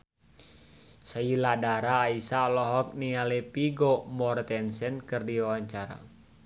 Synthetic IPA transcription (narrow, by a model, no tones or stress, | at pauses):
sailadaɾaːisalɔɦɔk̚nialɛpiɡomɔrt̪ɛnsɛnkɨrdiwawaɲt͡ʃaɾa̰